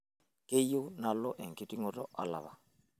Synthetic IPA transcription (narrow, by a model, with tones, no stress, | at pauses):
ke˦jo˦na˦lɔ˦ʔɛ˨ŋ̩˨ki˦tʼi˦ŋɔ˦tʼɔ˦ʔa̰˨la̰˨βa˨